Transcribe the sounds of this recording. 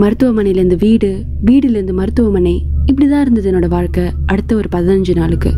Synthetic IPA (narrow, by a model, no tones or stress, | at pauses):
mɐɾɯt̪ːɯʋɐmɐɳɐɪjɪlɐɾnd̪ɯʋiːɽɯ | ʋiːɽɪlɾɯnd̪ɯmɐɾɯt̪ːɯʋɐmɐnɐɪɪp̬ːɐɽit̪ãːɪɾɯnd̪ɐðɯɛnːoːɽɐʋaːɻkɐ | ʔɐɽɯt̪ːɐɔɾɯpɐðɐnɐɲd͡ʒɯnaːɭɯkːɯ̰